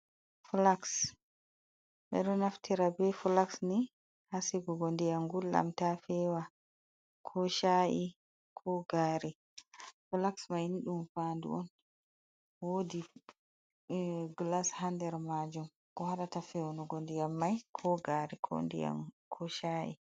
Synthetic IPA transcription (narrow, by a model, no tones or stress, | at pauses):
fulaks | ɓɛ̰ɗɔnaftʰiɾabɛfulaksni | hasiɡɔɡondijaŋɡulːa̰mtafɛwa | kʰɔʃaʔi | kʰɔɡaɾi | fulaksmajniɗumfandṵɔn | wodi | ɡlashandɛɾmad͡ʒum | kɔhaɗatafɛwnɔɡondijamːajkʰɔɡaɾikʰɔ̰ndḭa̰kʰɔʃaʔḭ